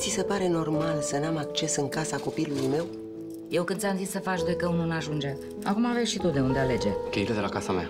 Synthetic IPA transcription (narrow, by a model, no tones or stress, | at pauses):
t̪sise̞paɾe̞no̞rmalsənamak̚t͡ʃe̞sɨŋkasako̞pilulujme̞w | je̞wkɨnsʲjamzissəfat͡ʃd̪o̞jkəununaʒund͡ʒe̞ | akumaveʃit̪ot̪̚d̪e̞und̪eale̞d͡ʒe̞keiɾed̪e̞lakasamea̰